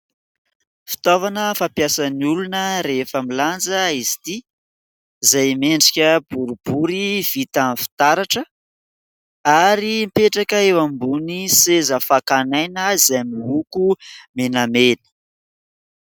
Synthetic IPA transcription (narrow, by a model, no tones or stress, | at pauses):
fi̥t̪ovanəfapjasəniulunəɾefəmiland͡zəizi̥t̪i | izajmeɳɖ͡ʐikʲəbuɾub̥uɾiv̥it̪anfi̥t̪aɾaʈ͡ʂə | aɾimpeʈ͡ʂakəewambunisezəfakanajnəizajmiɦukumenamenə̥